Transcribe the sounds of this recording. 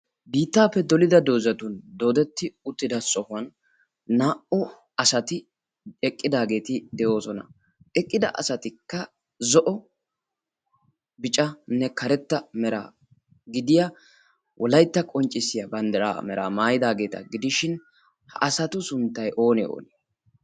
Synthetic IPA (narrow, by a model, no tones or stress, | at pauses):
biːt̪ːaːpːɛd̪ɔlɪd̪ɐd̪o̞ːzɐt̪ʊnd̪o̞ːd̪ɛt̪ːɪʊt̪ːɪd̪ɐsʼɔhʊɐnː | aːʔʊ | ɐsɐt̪ɪ | ɛkʼːɪd̪aːɡe̞ːt̪ɪd̪ɛjo̞ːsɔnɐ̰ | ɛkʼːɪd̪ɐ̰ʔɐ̰sɐt̪ɪkːɐ | zɔʔɔ | bɪt͡ʃʼɐnɛkʰɐɾɛt̪ːɐmɛɾa̰ | ɡɪd̪ɪja | wʔɔlɐjt̪ːɐkʼɔnt͡ʃʼːɪsɪjɐbɐnd̪ɐɾa̰ːmɛɾa̰ːmaːjɪd̪aːɡe̞ːt̪ɐ̰ɡɪd̪ɪʃɪn | hɐʔɐsɐt̪ʊsʊnt̪ːɐjʔo̞ːnɛ̰o̰ːne